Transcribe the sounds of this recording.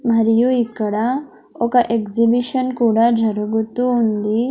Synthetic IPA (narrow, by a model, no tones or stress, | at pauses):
mɐɾjuikːɐɽa | okaʔekzibiʃɐnkuːɽad͡ʒʱɐɾɡut̪uːnd̪i